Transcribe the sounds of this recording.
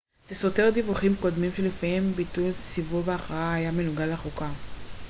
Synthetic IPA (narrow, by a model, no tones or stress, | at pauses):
z̥esote̞ʁd̪ivuχimko̞d̪mimʃelefajembit̪ulsivuveaχaaajamenuɡalaχuka